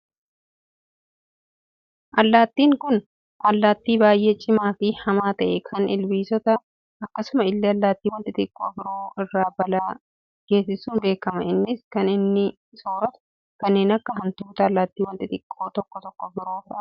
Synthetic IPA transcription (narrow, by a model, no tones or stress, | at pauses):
ʔɐlːaːt̪ːiːŋkʊn | ʔɐlːaːt̪ːiːbaːjʔet͡ʃʼɪmaːfɪhɐmaːt̪ɐʔɛkʰɐnɪlbiːsɔt̪ɐ | ʔɐkːɐsʊmɐɪlːɛɐlːaːt̪ːiːwɔnt̪ʼɪt̪ɪkʼːoːbɪɾoːɪrːaːbɐlaː | ɡ̥e̞ːsɪsuːnbe̞ːkɐmɐɪnːɪskɐnɪnːɪ | soːɾɐt̪ | kɐnːe̞ːnɐkːɐɦɐnt̪uːt̪ɐːlːaːt̪ːiːwɔnt̪ʼɪt̪ʼɪkʼːo̞ːt̪ɔkːɔt̪ɔkːɔbɪɾoːfʔɐ